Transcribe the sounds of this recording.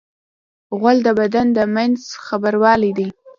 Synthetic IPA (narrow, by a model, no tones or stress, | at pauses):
ɣwald̪əbad̪and̪əmanzxabəɾwɑlid̪i